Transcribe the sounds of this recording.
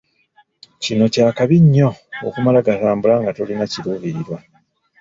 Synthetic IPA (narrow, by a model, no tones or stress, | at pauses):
cino̞caːkaβiɲːo̞o̰kumalaɡataːmbulaŋɡatolinaciɾuβiɾwa